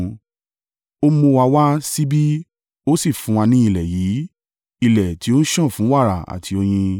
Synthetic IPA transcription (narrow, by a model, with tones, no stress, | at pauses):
o˦mõ˧wa˧wa˦si˦bi˦ | o˦si˦˨fũ˨˦a˧nĩ˧˦i˦˧˨lɛ˨jiː˨˦ | i˨lɛ˨ti˨˦o˦n̩˦ʃɔ̃˦˨fũ˨˦wa˦˨ɾa˨a̰˨tʰi˨˧˦o˧j̃ĩ˧